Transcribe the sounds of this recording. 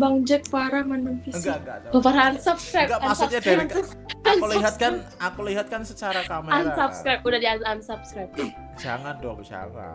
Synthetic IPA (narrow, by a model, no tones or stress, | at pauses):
baŋd͡ʒək̚paɾamanəfisɡibapaɾaansapskɾajɡamasuɲadaɾ | akuliɦat̪̚kan | akuliɦat̪̚kansət͡ʃaɾakamaansap̚skɾajp̚udahdianansap̚skɾap̚ka | d͡ʒaŋandɔkd͡ʒa̰la̰